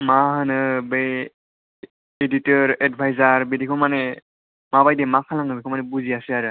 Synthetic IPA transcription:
maɦɯnɯbe | editɔɹɛdbʰʱajzaɹbedikʰɔmanɛ | mabajdɛmakʰalaŋɯbikʰɔmanɛbuziasɛaɾɯ

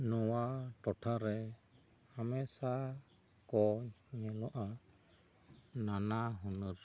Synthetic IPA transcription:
nũwaʈɔʈʰaɾɛ | amɛ̃sa | kɔɲɛ̃lɔʔa | nãnãɦunuɾ

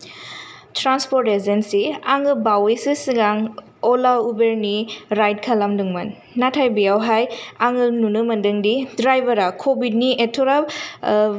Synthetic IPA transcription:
tɾanspoɾtezensiaŋɯbawejsɯsiɡaŋ | ɔlaubeɾniɾajt̚kʰalamdɯŋmɐnː | atʰajbijawɦajaŋɯnunɯmɐndɯŋdidɾajbɐɾakʰobidnietʰɔɾa

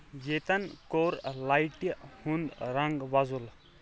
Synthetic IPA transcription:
jet̪ɐnkoɾlajʈihund̪ɾaŋɡʋazul

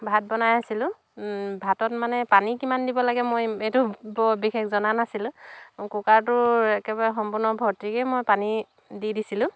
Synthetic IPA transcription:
bʱat̚bɔnajasilʊ̃ | bʱatɔtmanɛpanikimandibɔlaɡɛmojetʊbɔbixʰekzɔnanasilʊ̃kukaɹtʊɛkɛbaɹɛxɔmpʊɹnɔbʱɔɹtikɛmojpani | didisilʊ̃

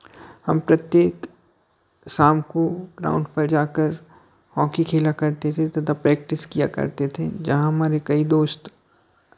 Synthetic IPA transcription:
hɐmpɾɐt̪jeːk | saːmkoɡɾa̰ːʊ̃ɳɖpɐɾd͡ʒaːkəɾ | hɔ̃ːkikʰeːlakɐɾt̪et̪ʰet̪ɐt̪ʰapɾɛːk̚ʈɪskija̰kɐ̰ɾt̪et̪ʰḛd͡ʒɐɦãɦɐmaːɾekɐid̪oːst̪

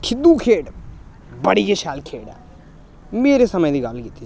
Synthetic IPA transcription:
kʰɪd̪uːkʰeːʈ | bəɽiːeʃaːlkʰeːɖɛ̰ː | meːɾesɐməjd̪iːɡaːlkit̪ːi

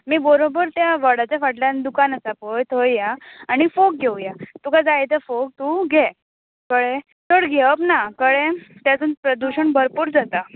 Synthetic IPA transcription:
miːbəɾobəɾt̪jaʋəɽat͡ɕafaʈljand̪ukanəsapojt̪ʰojjaaɽ̃ifok̚ɡʱewjat̪ukad͡zajt̪əfok̚t̪uɡʱe | kəɭe | t̪ʰəɽɡʱeəpnakəɭet̪jad͡z̪uːnpɾəd̪uɕəɳbəɾpuːɾd͡zat̪a

